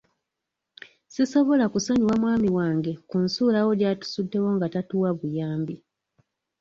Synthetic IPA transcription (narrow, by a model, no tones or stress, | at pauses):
siso̞βo̞lakusaɲiwamwaːmiwaːŋɡekunsuːlawo̞ɟaːtu̥sudːe̞wo̞ŋɡatatuːwaβujaːmbi